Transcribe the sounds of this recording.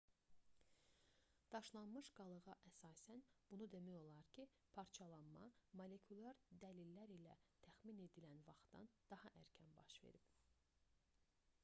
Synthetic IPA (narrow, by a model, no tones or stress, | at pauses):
d̪̥ɑʃlˠɑnmɯʃɡ̥ɑlˠɯɣɑʔæsɑːsænb̥unud̪e̞mæjo̞lˠɑɾcʰi | pʰɑɾt͡ʃʰɑlˠɑnmɑ̰mole̞kʰulʲˠɑɾd̪ælilːæɾilæt̪ʰæxmine̞d̪ilænvɑχt̪t̪ɑ̰nd̪̥ɑhɑʔæɾcʰænbɑ̰ʃve̞̰ɾib̥